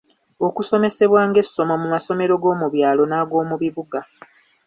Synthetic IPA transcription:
o̞kuso̞me̞se̞βwaːŋɡe̞sːo̞mo̞mumaso̞me̞ɾo̞ɡo̞ːmuβjaːlo̞naːɡo̞ːmuβiβuɡa

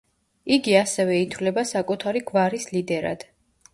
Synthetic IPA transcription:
iɡiasɛvɛit̪ʰvlɛbasakʼut̪ʰaɾiɡvaɾislid̪ɛɾa̰d̪̥

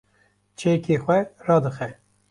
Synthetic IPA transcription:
t͡ʃʰeːkʰeːxʷɛrɑːd̪ɨxɛ

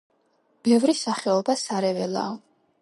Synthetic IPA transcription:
b̥ɛvɾisaχɛɔbasaɾɛvɛla̰ɔ

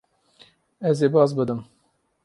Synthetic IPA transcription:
ɛzeːbɑzbɨd̪ɨm

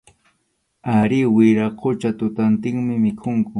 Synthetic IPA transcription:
aɾɪwɪɾaqʰot͡ʃat̪ʊt̪ant̪ɪŋmɪmɪkʰʊŋkʊ

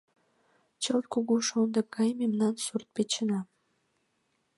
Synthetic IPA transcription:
t͡ɕolʲkuɣuʃond̪ə̆p̚ɡɑjmemnɑnsurt̪̚pet͡ɕə̆nɑ

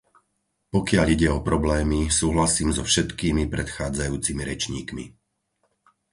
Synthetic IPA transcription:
pɔkɪaʎiɟɛɔpɾɔblɛːmisuːɦlasiːmzɔfʃɛt̪kiːmipɾɛt̪xaːd͡zajuːt͡simiɾɛt͡ʃɲḭːkmḭ

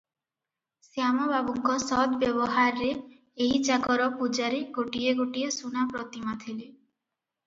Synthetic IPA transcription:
sjamɔbabuŋkɔsɔd̪bjɔbɔɦaɾːe | eɦit͡ʃakɔɾɔpud͡ʒaɾiɡoʈieɡoʈiesunapɾɔt̪imat̪ʰile

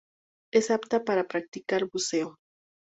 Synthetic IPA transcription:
e̞sapt̪apaɾapɾak̚t̪ikaɾβuse̞o

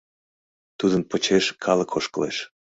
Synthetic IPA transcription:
t̪ud̪ənpət͡ɕeʃkʰɑləkʰoʃkəlḛʃ

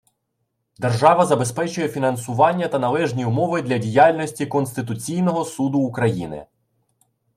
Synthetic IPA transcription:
d̪erʒɑʋɐzɐbe̞spɛt͡ʃʊjɛfʲinɐnsʊʋɑnʲːɐt̪ɐnɐlˠɛʒnʲiʊmɔʋɪd̪lʲɐdʲijɑlʲnʲɔsʲtʲikɔnst̪ɪt̪ʊt͡sʲijnɔɦɔsud̪ʊːkɾɐjḭnɪ̰

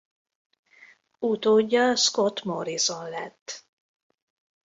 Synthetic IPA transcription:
ut̪oːɟːɒskot̪moɾizonlɛt̪ː

